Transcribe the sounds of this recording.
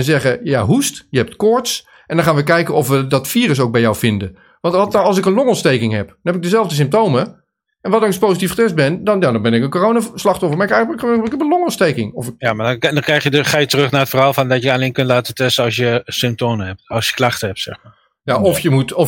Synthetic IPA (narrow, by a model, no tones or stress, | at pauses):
ɛnzɛɣəjaɦustjəɦɛp̚tkɔɹts | ʔɛndɔnχaːnʋəkɛjkənɔfʋədɔtfiːrəs̬owk̚bɛjɔwfɪndə | ʋɑnttɑlˠs̬ɪkənlɔŋɔnstejkɪŋɦɛpdɔnɦɛpɪɡ̚dəzɛlˠvdəs̬ɪmptowmə | ʔɛnʋɔdɔnkɪspoːsitifχə̥tɛst̚bɪndɔnjadɔnbɪnɪkənkoroːnaslɑχtɔfəɹmaɹɪkɛkχɛɪkɛpənlɔŋɔnstejkɪŋɔfɪjamaddɔnkrɛjxjədχaːjətərɵχnaːətfərɦaːlˠfɔndɔtjəaleːnkøntlaːtətɛstəɑlˠsjəsʏmp̚toːməɦɛp̚tɑlˠsjə̥klaχtəɦɛp̚tsɛxmaːɹ | jaɔfjəmutɔ